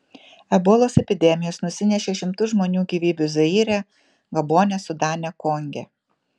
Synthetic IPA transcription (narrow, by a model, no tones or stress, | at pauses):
ɛboːlˠoːsɛpʲɪd̪ʲɛmʲɪjoːsnʊsʲɪnʲɛʃʲeːʃʲɪmt̪ʊʒmoːnʲuːɡʲiːʋʲiːbʲʊzɐiːɾʲɛ | ɡɐboːnʲɛsʊd̪ɑːnʲɛkɔŋʲɡʲɛ̰